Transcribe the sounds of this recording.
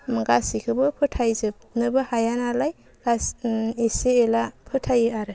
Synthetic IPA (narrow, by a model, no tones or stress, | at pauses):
mɯɡasikʰɯbɯpʰɯtʰajzɯp̚nɯbɯhajanalaj | ɡ̥aseseelapʰɯtʰajɯaɾɯ